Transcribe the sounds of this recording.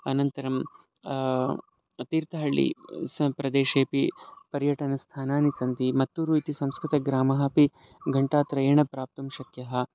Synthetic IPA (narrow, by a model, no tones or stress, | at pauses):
ɐnɐnt̪ɐɾɐm | ɐt̪iːɾt̪ɐɦɐɭːḭspɾɐd̪eːʃeːpipɐɾjɐʈɐnɐst̪ʰaːnaːnisɐnd̪imɐt̪ːuɾuit̪isɐ̃mskɾit̪ɐɡɾaːmɐɦɐ̆pi | ɡɐɳʈaːt̪ɾɐeːɳɐpɾaːp̚t̪ɐmʃɐkjɐɦɐ̆